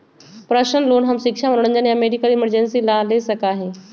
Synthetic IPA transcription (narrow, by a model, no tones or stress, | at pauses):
pɾəɕənloːnɦɐmɕikʂaməɾɽ̃ənd͡ʑanjameɖikəliməɾd͡ʑensilalesəkaːɦe